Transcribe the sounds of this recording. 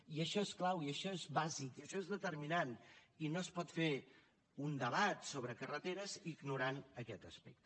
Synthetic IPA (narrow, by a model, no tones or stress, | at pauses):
iəʃɔesklawiəʃɔezβazikiəʃɔezðət̪ərminaninoəspɔt̪fe | und̪əβ̞at̪soβɾəkərət̪eɾəziɡnuɾanəkɛt̪əspɛk̚t̪